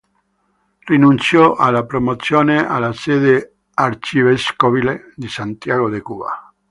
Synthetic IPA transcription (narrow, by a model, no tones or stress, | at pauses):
rinunt̪sjɔʔalːapɾomot̪sjoːnea̰lased̪e | aɾt͡ʃiveskoβile | d̪isant̪jaɣod̪ekuβa̰